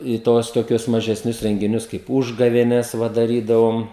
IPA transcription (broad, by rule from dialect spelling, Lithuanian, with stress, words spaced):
ɪ ˈtuɔs toːˈkʲʊs mɐʒʲɛsʲˈnʲʊs rʲɛŋʲɡʲɪˈnʲʊs kɐɪp ˈuːʒɡɐʋʲeːnʲɛs ˈʋɐ dɐˈrʲiːdɐʋoːm